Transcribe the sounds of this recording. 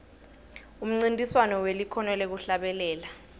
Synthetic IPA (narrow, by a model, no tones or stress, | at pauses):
um̩ŋ͡ǀintʼiswanɔwelikʰɔnɛlɛk̬uɬaɓɛlɛːla